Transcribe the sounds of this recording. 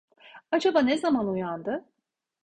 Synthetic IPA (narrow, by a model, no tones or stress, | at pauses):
ad͡ʒabanezamanujand̪ɯ